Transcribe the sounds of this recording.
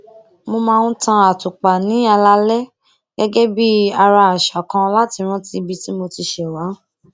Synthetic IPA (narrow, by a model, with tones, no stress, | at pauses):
mo˧mãː˧nũ˦tã˧a˨tu˨k͡pa˨nĩ˨˦a˧la˧˦lɛ˦ | ɡ̥ɛ˦ɡɛ˦bi˦a˧ɾa˧a˨ʃa˨kã˧la˦ti˧ɾ̃ũ˦ti˧bi˦ti˦mo˧ti˧ʃɛ˨wa˨˦